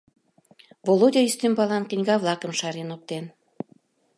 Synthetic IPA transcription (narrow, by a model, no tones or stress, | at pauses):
volodʲɑist̪ymbɑlɑnkinʲɣɑβlˠɑkə̆mʃɑɾenop̚t̪en